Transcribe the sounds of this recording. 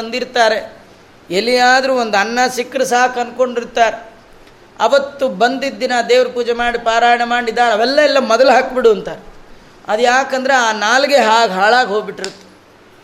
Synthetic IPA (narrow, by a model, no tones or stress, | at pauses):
ɐnd̪iɾt̪aːɾe̞ | elːijaːd̪ɐɾuːond̪ɐnːɐsikːɾɐsaːkɐnko̞ɳɖiɾt̪aːɾe | ɐʋɐt̪ːubɐnd̪id̪ːinɐd̪ɛːʋɐɾɐpuːd͡ʒemaːɽipaːɾaːjɐɳɐmaːɽid̪ːaːnɐʋɛlːɐɛlːɐmɔd̪ɐluɦaːkbiɽuɐnt̪aːɾe | ɐd̪ujaːkɐnd̪ɐɾeaːnaːlɡeɦaːɡɦaːɭaːɡɦo̞ːɡbiʈːiɾut̪ːe̥